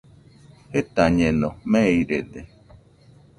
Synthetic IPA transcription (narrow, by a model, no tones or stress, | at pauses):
het̪aɲenɔmeiɾed̪e